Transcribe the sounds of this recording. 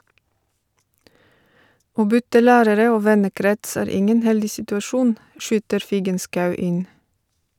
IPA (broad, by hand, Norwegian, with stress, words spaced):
ˈoː ˈbʏtə ˈlæːɾəɾə ˈoː ˈʋɛnəˌkɾɛts ˈæːɾ ˈɪŋən ˈhɛldɪ sɪtʉɑˈʃuːn ˈʃyːtəɾ ˈfiːɡənskɑʉ ˈɪn